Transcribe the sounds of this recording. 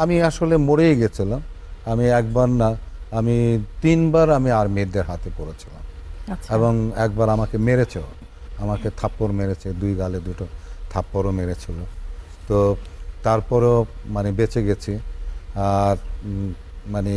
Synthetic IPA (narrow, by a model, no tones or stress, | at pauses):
amiaʃolemoɽejɡet͡ɕʰilam | amiɛk̚baɾnaamit̪inbaɾamiaɾmeɾd̪eɾɦat̪epoɾet͡ɕʰi̥lamʰeboŋɛk̚baɾamakemeɾet͡ɕʰe | amaket̪ʰapːoɾmeɾet͡ɕʰed̪ujɡaled̪uʈot̪ʰapːoɾomeɾet͡ɕʰilo | t̪ot̪aɾpɔɾomanebet͡ɕeɡet͡ɕʰiaɾ | mane